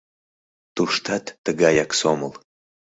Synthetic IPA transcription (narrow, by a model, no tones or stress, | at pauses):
t̪uʃt̪ʰat̪ːəɡajaksoməlˠ